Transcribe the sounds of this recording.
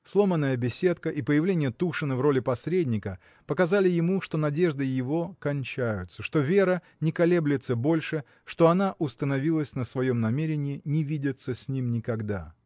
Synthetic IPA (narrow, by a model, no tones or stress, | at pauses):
slˠo̞mənːəjəbʲɪsʲe̞t̪kəʔipəjɪvlʲenʲɪjət̪uʂɨnəvro̞lʲɪpɐsʲɾʲedʲnʲɪkə | pəkɐzalʲɪjɪmuʂt̪o̞nɐdʲe̞ʐd̪ɨjɪvo̞kɐnʲt͡ɕæjʊt̪səʂt̪o̞vʲeɾə | nʲɪkɐlʲe̞blʲɪt̪səbo̞lʲʂɨ | ʂt̪o̞ɐnaʔʊst̪ənɐvʲilˠəsʲnəsvɐjo̞mnɐmʲeɾʲɪnʲɪɪnʲɪvʲidʲɪt̪səsʲnʲimnʲɪkɐɡd̪a̰